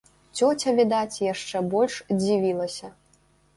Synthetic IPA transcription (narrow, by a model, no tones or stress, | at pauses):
t͡sʲɔt͡sʲɐvʲid̪at͡sʲjaʂt͡ʂɛbɔlʲʂd͡zʲivʲilˠɐsʲɐ